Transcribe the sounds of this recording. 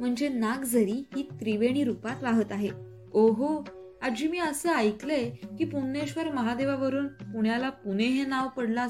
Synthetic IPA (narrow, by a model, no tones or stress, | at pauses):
m̤əɳd͡ʑenaɡd͡zəɾiːɦiːt̪ɾiʋeɽ̃iːɾupat̪ʋaɦət̪aɦe | oɦo | ad͡ʑiːmiːəsəːajklekiːpunːeɕʋəɾməɦad̪eʋaʋəɾuːnpuɳjalapuneɦenaʋpəɽla